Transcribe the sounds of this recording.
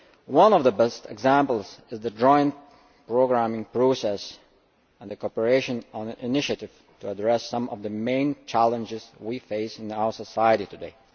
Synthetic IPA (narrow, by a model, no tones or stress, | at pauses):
wʌ̃nɔvðəbɛstɨ̰ɡzæ̃mpl̩ˠzɨzðɨd͡ʒɔ̃ɪ̃n | pɹ̥oʊɡɹæmɪ̃ŋpʰɹ̥osɛs | ə̃nðəkʰɔpəɹeɪʃɨ̃nə̃nɨ̃nɪnɪʃɨɾɪv̥ | tʰuədɹɛsʌ̃mʔɔvðəmẽɪ̃nt͡ʃʰælˠə̃nd͡ʒɪzwifeɪsɨ̃naʊə˞səsaɪəɾitɨdeɪ